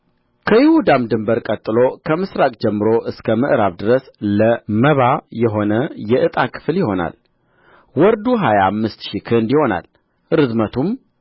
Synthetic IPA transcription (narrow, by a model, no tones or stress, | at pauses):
kʰəjɪhud̪amd̪ɨmbəɾkʼət̪ʼːɨlo̞kʰəmɨsɾakʼd͡ʒɛmːɨɾo̞ʔɨskʰəmɨʔɾaβd̪ɨɾəsləməβajɛɦo̞nəjɛʔɨt̪ʼakʰɨ̥fljɪho̞na̰l | wɔɾd̪uɦajaamːɨst̪ʃikʰɨnd̪iho̞na̰l | ɾɨzmət̪ʰum